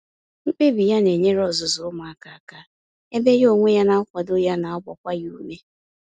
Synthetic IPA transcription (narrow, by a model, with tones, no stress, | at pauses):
ŋ͡m̩˦k͡pe˦bi˨ja˦ne˨ɲe˦ɾɔ˨zʊ˨zʊ˨ʊ˦ma˨a˨ka˨ka˦ | e˦be˦jo˦˨ŋʷe˦ja˦na˨ɔ˦kʷɔ˨dʊ˦ja˦na˨ɔ˦ɡ͡bɔ˨kʷa˦ju˦me˦